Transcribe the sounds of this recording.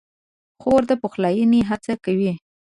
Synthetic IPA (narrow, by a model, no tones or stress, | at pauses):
xoɾd̪əpoxlɑjəniɦat͡sakawi